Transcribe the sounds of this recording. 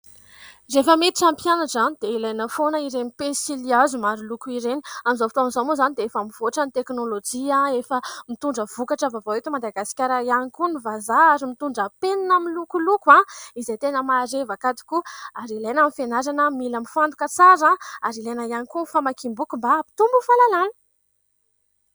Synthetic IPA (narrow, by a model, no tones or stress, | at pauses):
refəmet̪iʈ͡ʂampjanaʈ͡ʂzanid̪̥eilajnəfonəiɾenipesiliazumaɾilukuiɾeniamizofit̪oamizomozanid̪eefamiv̥oʈ͡ʂanit̪eknolod͡ʒiãefəmit̪uɳɖ͡ʐəv̥ukaʈ͡ʂəvavaet̪umad̪aɡasi̥kʲaɾajanikunivazaaɾimit̪uɳɖ͡ʐəpeninamilukulukwãizejt̪enəmaɾevakat̪i̥kuaɾilajnamifenaɾanəmilamifand̪ukət͡saɾãaɾilajnajanikufamakimbukumbapi̥t̪umbufalalanə̥